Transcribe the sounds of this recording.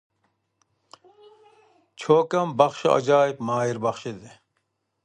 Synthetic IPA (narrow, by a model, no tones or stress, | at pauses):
t͡ɕʰoːkɐmbɐxɕɐɐ̰d͡ʑaːipmaːiɾbɐxɕid̪e